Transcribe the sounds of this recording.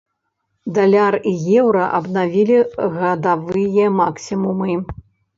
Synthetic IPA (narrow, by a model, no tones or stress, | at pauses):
d̪alʲarijɛwɾɐʔɐbnavʲilʲiɣɐd̪avɨjɛmaksʲimumɨ